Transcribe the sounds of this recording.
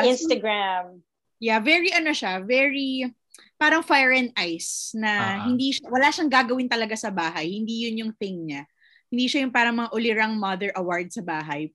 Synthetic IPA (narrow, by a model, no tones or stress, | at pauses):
ɪnst̪ɐɡɹam | javɛɹiʔɐnoʃavɛɹi | paːɾɐŋfajɹɛnʔajsnɐɦɪnd̪iːʃawɐlaʃɐŋɡaːɡɐwɪnt̪ɐlɐɡasɐbaːɦɐjhɪnd̪iːjʊnjʊŋθɪŋɲa | hɪnd̪iːʃajʊŋpaːɾɐŋmɐŋaʔʊlɪɾaŋmɐðɛɹʔɐwaɹd̪̚sɐbaːɦɐj